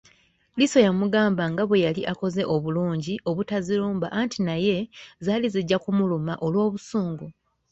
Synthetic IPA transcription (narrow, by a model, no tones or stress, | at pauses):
liso̞jamuɡaːmbaŋɡaβwe̞jaliʔako̞ze̞ʔo̞βuluːɲɟiʔo̞βutaziluːmba̰ʔantʰinaje̞zaːliziɟːakumulumaʔo̞lwo̞ːβusuːŋɡu